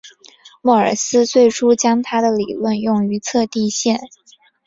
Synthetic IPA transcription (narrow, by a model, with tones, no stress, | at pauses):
mɔ˥˩ə̰˞˨˩sɹ̩˥t͡swe˥˩ɪʈ͡ʂʰu˥t͡ɕjɑ˥ŋt̪ʰa˥d̪ə˨li˨˩lwə˥˧njʊ˥˩ŋy˧˥t͡sʰɤ˥˧t̪i˥˧ɕjɛ˥˩n